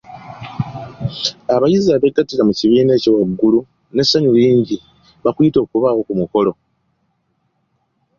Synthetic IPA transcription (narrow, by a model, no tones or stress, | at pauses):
aβajiziaβe̞ɡatːilamuciβiːne̞ːciwaɡːulu | ne̞sːaɲuliːɲɟi | βakuito̞ːkuβawo̞kumuko̞lo̞